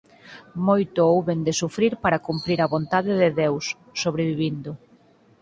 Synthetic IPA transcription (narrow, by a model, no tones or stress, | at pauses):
mojt̪ʊowβend̪ɪsufɾiɾpaɾɐkumpɾiɾɐβont̪aðɪðɪðewsː | oβɾeβiβind̪ʊ